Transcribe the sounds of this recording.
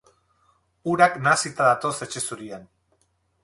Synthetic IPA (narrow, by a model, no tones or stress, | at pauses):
uɾaknasit̪aðat̪o̞se̞t͡ʃe̞suɾian